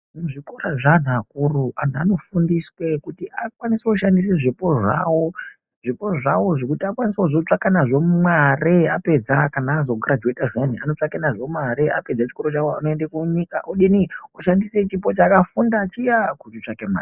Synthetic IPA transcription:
muʐikoraʐan̤uakuruan̤uano̞fundiswe̞kutiakwaniseuʃandis̬eʐipo̞ʐa̰wo̞ | ʐipo̞ʐawo̞ʐekutiakwaniseuzot͡ʂakanaʐo̞mwareape̞d͡zakanaːzo̞ɡʱaɾad͡ʒetaʐen̤ia̰no̞t͡ʂakanaʐo̞maɾeape̞d͡zat͡ʃi̥ko̞ɾo̞t͡ʃawoanoendekuɲikaʔoɗiniuʃandise̞t͡ʃipo̞t͡ʃaːkafundaːt͡ʃijakutit͡ʂakema̰ːri

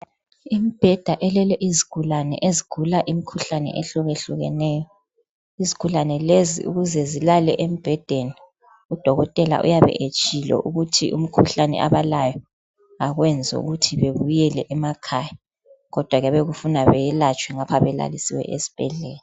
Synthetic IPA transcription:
imib̥ʱɛd̥ʱaʔɛlɛlɛʔiziɡ̥ʱulanɛ̰ʔeziɡ̥ʱulaʔimikʰuɬanɛ̰ʔeɬuɣeɬuɣɛ̰nɛːjɔ | izikʰulanɛlezḭṵɣuzɛzilalɛʔem̩b̥ʱɛd̥ʱeni | ud̥ʱɔɣɔtʼɛla̰ʔṵjaβɛ̰ʔet͡ʃʼilɔ̰ʔuɣutʰḭʔum̩kʰuɬanɛ̰ʔa̰βalajɔ | aɣwɛnd͡zʱɔ̰ṵɣutʰiβeβujɛlɛʔɛmakʰaja | ɣɔd̥ʱwaɣɛβeɣufunaβɛjɛlat͡ʃʼwɛŋapʰaβɛla̰lisiwɛ̰ʔḛzi̥b̥ʱɛ̰ɮɛːlɛ

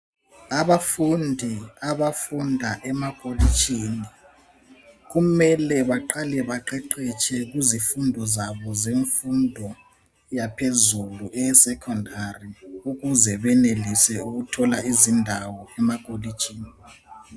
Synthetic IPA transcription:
aβafundʱiaβafundʱaʔɛmaɣʼolit͡ʃʼiːni | ɣumɛlɛβaǃalɛβaǃɛǃɛt͡ʃʰʼɛɣuzifundʱɔzaβɔzeɱfundʱɔ | japʰezuluʔɛsɛkʰɔndʱariuɣuzɛβɛnelisɛuɣutʰɔlaizindʱawɔɛmaɣʼolit͡ʃʼiːni

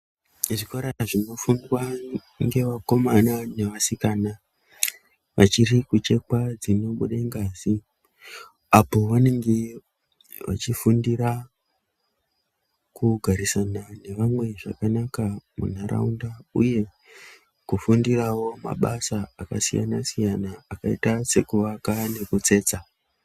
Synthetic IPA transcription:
ʐikoɾaʐino̞fundwa | ŋɡe̞ʋako̞manane̞ʋasikana | ʋʔat͡ʃirikut͡ʃe̞kwad͡zino̞ɓuɗaiŋɡaːzi | apo̞ʋane̞ŋɡe̞ | ʋa̰t͡ʃifundiɾa | kuɡʱaɾisanane̞ʋamwe̞ʐa̰kanakamṵn̤aɾʔa̰undaṵje̞ | kufundirawo̞ma̰ɓasaːka̰sija̰nasijanaːkaḭtase̞kuʋakane̞kut͡se̞ːt͡sa

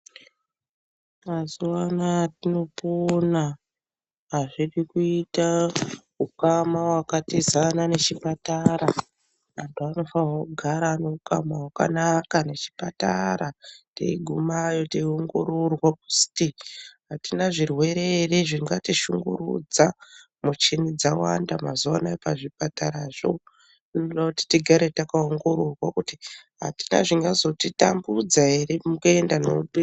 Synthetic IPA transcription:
mazuwanatino̞pona | ɦːʐirikuita | ukamawakatizanane̞t͡ʃipataɾa | antuano̞fanwakuɡʱaɾaːneɦuka̰mawaka̰nakane̞t͡ʃi̥pata̰ɾatḛiɡʱumajo̞teioŋɡo̞ɾorwak̚u̥stiɦatinaʐirwe̞ɾe̞reʐiŋɡatiʃuŋɡṵɾṵd͡za | mut͡ʃinid͡zawa̰ndamazuwanaepaʐip̚ataɾaʐo̞̰ | dinoɗakuti̥tiɡʱaɾetakaoŋɡo̞ɾorwakutiɦa̰ti̥na̰ʐiŋɡazo̞tita̰mbud͡zaɦe̞ɾemukeendanoɗi

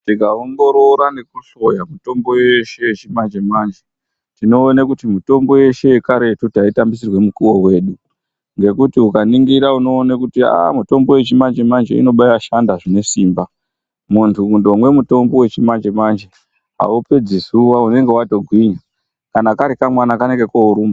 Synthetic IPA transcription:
tiɡʱaoŋɡo̞ɾo̞ɾane̞kuɬo̞jamuto̞mbo̞jeʃe̞jet͡ʃimand͡ʒemand͡ʒe | tino̞ːnakutimuto̞mbo̞je̞ʃe̞jekaɾe̞tutaitambis̬irwe̞mukuwo̞ɦwe̞ːɗu | ŋɡe̞kutiukaniŋɡiɾauno̞ːnakutia̰muto̞mbo̞we̞t͡ʃimand͡ʒemand͡ʒḛḭno̞ɓajaʃandaʐine̞siːmba | muntʰuundomwe̞muto̞mbo̞we̞t͡ʃimand͡ʒemand͡ʒe | ɦa̰upe̞d͡zisuwaune̞ŋɡewato̞ɡʱwiɲa | kanakaɾikamwanakaneŋɡe̞kouɾuːma

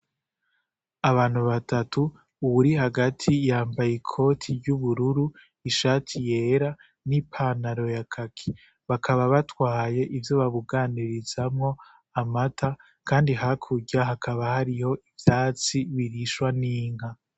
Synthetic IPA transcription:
aβaːn̥huβatatuː | βuɾiɦaɡatʰijaːmbajekʰo̞tʰiɾɟuβuɾuɾu | iʃaːtʰije̞ːɾa | nipʰanaɾo̞jakʰakʰi̥ | βakʰaβaβatwaːje̞ʔivjoβaβuɡaːniɾizamŋo̞ | amatʰa | kʰaːndiɦakʰuɟaɦakʰaβahaɾiho̞ʔivjaːt͡siβiɾiʃwaniːŋ̥ha

